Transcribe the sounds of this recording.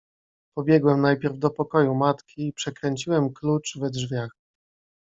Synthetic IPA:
pɔbʲjɛɡwɛmnajpʲjɛɾvd̪ɔpɔkɔjumat̪kʲiːpʂɛkɾɛɲt͡ɕiwɛmklut͡ʂvɛdʐvʲjax

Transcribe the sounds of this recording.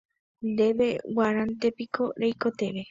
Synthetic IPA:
nd̪eβewaɾant̪epikoɾejkot̪eβe

